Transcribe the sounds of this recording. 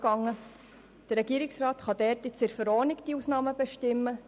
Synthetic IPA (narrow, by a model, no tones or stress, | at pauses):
ɡ̥ɑŋːə | d̥ərɾɛɡ̥iəɾɪksrɑːt̪χɑd̥ɛɾtɪt͡sɪɾfəɾɔːnɪkd̥iuːsnɑːməb̥ɛʃtɪmːə